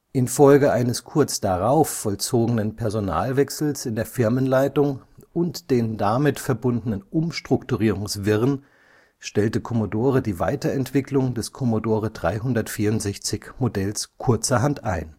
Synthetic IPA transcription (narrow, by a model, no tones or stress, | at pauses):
ʔɪnfɔlɡəʔaɪnəskʰʊɐt͡sd̥aʁaʊfːɔlt͡soːɡənənpʰɛɐzona̰ːlvɛksl̩sɪndeːɐfɪɐmənlaɪtʊŋʔʊntd̥eːndamɪtfɛɐbʊndənənʔʊmʃtʁ̥ʊktuʁiːʁ̞ʊŋsv̥ɪʁən | ʃtɛltəkʰɔmodoːʁədiːva̰ɪtɐɛntv̥ɪklʊŋdɛskʰɔmodoːʁədʁa̰ɪɦʊndɐtfiːɐʊntz̥ɛçt͡sɪçmodɛlskʰʊɐt͡sɐɦantʔa̰ɪn